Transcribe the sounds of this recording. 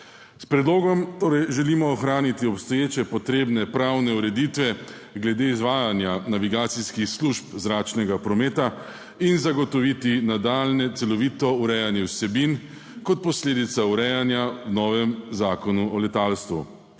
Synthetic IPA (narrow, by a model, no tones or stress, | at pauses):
spɾɛd̪loːɡɔmt̪oːɾɛjʒɛlimɔːxɾaːnit̪iɔpst̪ɔjeːt͡ʃɛpɔt̪ɾeːbnɛpɾawnɛuɾɛd̪it̪ʋɛ | ɡlɛd̪eizʋaːjanjanaʋiɡaːt̪siskixsluʃpzɾaːt͡ʃnɛɡapɾɔmeːt̪a | inzaɡɔt̪ɔʋit̪inad̪alnɛt̪sɛlɔʋiːt̪ɔuɾɛjanjɛwsɛbin | kɔt̪̚pɔsleːd̪it̪sauɾɛjanjawnɔːʋɛmzaːkɔnuɔlɛt̪alst̪ʋṵ